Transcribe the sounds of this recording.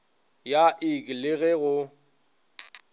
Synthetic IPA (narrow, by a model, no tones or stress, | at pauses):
jaʔɪkʼlɪɣɛɣʊ